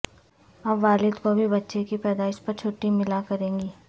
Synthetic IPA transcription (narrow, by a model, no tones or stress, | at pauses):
ɐbʋaːlɪd̪kobʱibɐtːʃekipɛːd̪aːɪʃpɐɾt͡ʃʰoːʈimɪlakɐɾẽːŋɡiː